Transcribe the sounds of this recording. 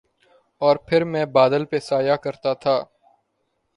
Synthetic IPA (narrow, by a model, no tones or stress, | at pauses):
ɔːɾpʰɪɾmɛ̃ːbaːd̪əlpesaːjakəɾt̪at̪ʰaː